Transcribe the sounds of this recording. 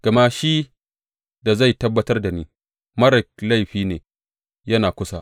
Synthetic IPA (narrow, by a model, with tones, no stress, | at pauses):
ɡ̥ɐ˨ma˦ʃi˦ | da˨za˦˨jtɐ˦bːɐ˦tɐ˦rda˨niː˦ | mɐ˦ɾɪ˨k̚la˦˨jɸiː˦neː˨ | jɐ˦naː˨kʷʊ˦sa˦ʔ